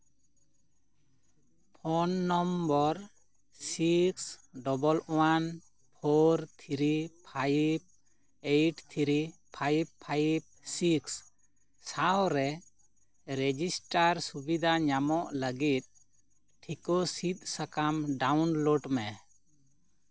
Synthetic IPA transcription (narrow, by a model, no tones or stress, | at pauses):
pʰɔnːɔmbɔɾ | siksɖɔbɔlʔwan | pʰɔɾt̪ʰɾippʰajb̚ | ejʈt̪ʰɾipʰajb̚pʰːajb̚siks | sawɾɛ | ɾɛd͡ʒisʈaɾsubid̪ʱaɲamɔʔləɡit̪̚ | ʈʰikɔsit̪̚sakamɖawnloɖmɛ